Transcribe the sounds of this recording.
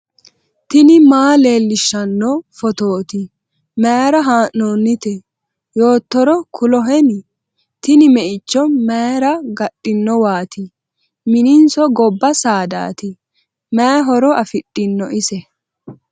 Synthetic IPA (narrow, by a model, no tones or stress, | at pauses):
t̪ɪnɪmaːle̞ːlːɪʃːɐnːɔfɔt̪oːt̪ɪ | mɛɾɐɦaːʔːonːɪt̪ɛ | jo̞ːt̪ːɔɾɔkʰʊlɔɦɛn | t̪ɪnɪmɛʔɪt͡ʃːɔmejɾɐɡɐɗʼɪnːɔwaːt̪ɪ | mɪnɪnsɔɡɔbːɐsaːd̪a̰ːt̪ɪ | mɛɦɔɾɔɐfɪtʼːɪnːɔʔɪsɛ